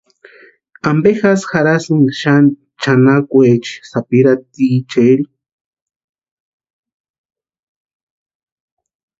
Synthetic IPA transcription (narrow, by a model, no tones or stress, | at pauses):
ambexasxaɾasɨŋʃan | t͡ʃanakʷet͡ʃi̥sapiɾat̪it͡ʃeli